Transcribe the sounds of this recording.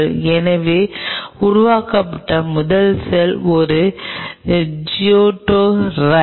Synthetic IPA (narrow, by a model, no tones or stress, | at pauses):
ɭɛnɐʋeːʊɾʊʋaːkɐpːɐʈːɐmʊðɐlsɛlɔɾɯ | d͡ʒɪoːʈːoːɾɐ